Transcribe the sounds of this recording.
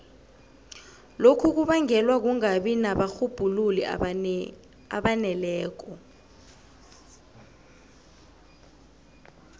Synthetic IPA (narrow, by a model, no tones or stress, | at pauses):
lokʰuk̬uɓaŋɛlwak̬uŋaɓinaɓaxub̥ʱululḭ | a̰ɓanɛlɛːk̬ɔ